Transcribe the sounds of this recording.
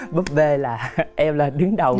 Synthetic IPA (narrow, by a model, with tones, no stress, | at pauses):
ɓə˦˥t̚ve˧laː˨˩ʔɛ˧mlaː˨˩ɗɨ˨˦ŋɗə˨˩w